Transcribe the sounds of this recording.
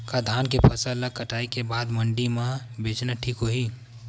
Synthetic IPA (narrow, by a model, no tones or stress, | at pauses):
kad̪ʱaːnkepʰɐsələkəʈaːikebaːd̪məɳɖimãbeːt͡ʃnaʈʰiːkɦoɦi